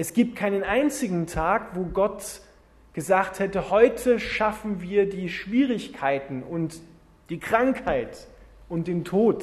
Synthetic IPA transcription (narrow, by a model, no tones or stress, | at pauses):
ʔɛsɡ̥iːp̚t̚kʰaɪnənʔaɪnt͡sɪɡŋ̩tʰaːkvoːɡɔt | ɡ̥əzaːkthɛtəhɔʏtʰəʃafn̩viːɐdiːʃv̥iːʁɪçkʰaɪtn̩ʔʊnt | d̥iːkʁ̥aŋkhaɪt | ʔʊnt̚d̥eːntʰoːt